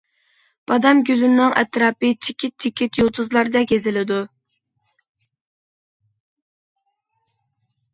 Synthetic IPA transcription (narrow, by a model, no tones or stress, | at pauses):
b̥ɑd̪ɑmɡʲyzynːɪŋɛt̪ɾɑːpɨt͡ʃʰikʲʰit̪̚t͡ʃʰikʲit̪jolˠt̪ʰʊzlˠɑɾd̪ɛɡʲezɪlɪd̪u